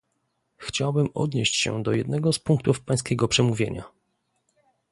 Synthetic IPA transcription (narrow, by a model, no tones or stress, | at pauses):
xt͡ɕawbɘmɔ̰d̪ɲeɕt͡ɕɕɛ̰d̪ɔjɛd̪nɛɡɔspuŋkt̪ufpaj̃s̬kʲɛɡɔpʂɛmuvʲjḛɲa̰